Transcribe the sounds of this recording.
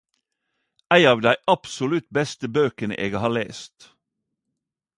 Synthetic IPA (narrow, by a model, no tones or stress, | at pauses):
ʔæɪɑːʋd̪æɪʔɑpsʊlʉt̪bɛst̪əbøːkənə̰ʔeːɡhɑːɭḛːst̪